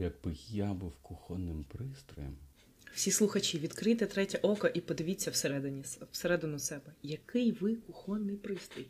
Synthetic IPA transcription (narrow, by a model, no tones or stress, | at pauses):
jɐɡ̚bɪjabɪwkʊxɔnɪmpɾɪst̪ɾɔ̰jɛ̰m | w̥sʲislˠʊxɐt͡ʃʲiʋʲid̪kɾɪt̪ɛt̪ɾɛtʲɐʔɔkɐʔipɔd̪ɪʋʲit͡sʲːɐwseɾɛd̪ɪnʲiwseɾɛd̪ɪnʊsɛbɛjɐkɪjʋɪkʊxɔnːɪjpɾɪst̪ɔj